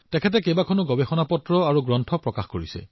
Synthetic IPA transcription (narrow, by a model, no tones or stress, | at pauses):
tɛkʰɛt̬ɛkejbakʰɔnʊɡɔbexɔnapɔtɹɔaɹuɡɹɔntʰɔpɹɔkaxkoɹisɛ̰